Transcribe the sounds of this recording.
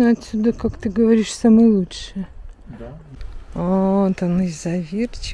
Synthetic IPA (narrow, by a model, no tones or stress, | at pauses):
ɐt̪ʲsʲud̪əkakt̪ɨɡəvɐɾʲiʂsamɨjəlˠutʂɨjə | ot̪onɨzɐvʲirt͡ɕ